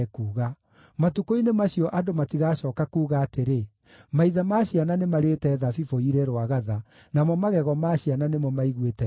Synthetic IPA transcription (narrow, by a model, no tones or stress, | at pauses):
kuːɣa | matukoinemaɕiɔʔadomatiɣaːɕɔːkakuːɣaːteɾe | maiðamaɕiananemaɾeːtɛðafifoiɾɛɾwaɣaða | namɔmaɣɛɣɔmaɕiananemɔmaiɣwetɛ